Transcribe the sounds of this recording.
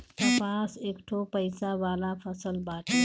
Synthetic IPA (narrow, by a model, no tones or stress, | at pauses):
t̪ɐpaːseːkʈʰopəjsaʋaːlafʰɐsəlbaːʈʰ